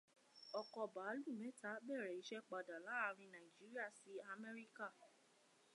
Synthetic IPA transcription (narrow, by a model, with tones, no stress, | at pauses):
ɔ˨kɔ˨ba˨˦lu˦˨mɛ̃˨˦ta˨˦bɛ˦˨ɾɛ˨i˨˦ʃɛ˦k͡pa˨da˨la˨˦a˧ɾ̃ĩ˧nã˨i˨d͡ʒi˨˦ɾi˦a˦˨si˨˦a˧mɛ˦ɾi˦ka˦˨